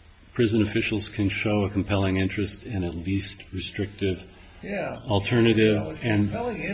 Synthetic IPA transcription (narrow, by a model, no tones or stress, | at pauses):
pʰɹ̥ɪzɨ̃nɨfɪʃl̩ˠz̥kʰɨ̃nʃoʊəkʰm̩pʰɛlˠɪ̃ŋɪ̃nt͡ʃɹ̥ɨstɪ̃nɨlist̚ɹɨstɹ̥ɪk̚tɪv | l̩ˠtʰɜ˞nɨɾɪvɨ̃n